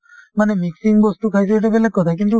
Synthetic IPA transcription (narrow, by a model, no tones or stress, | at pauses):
manɛmiksiŋbɔstukʰajs̬ɛtɛbɛlɛɡ̚kɔt̪ʰak̬int̬u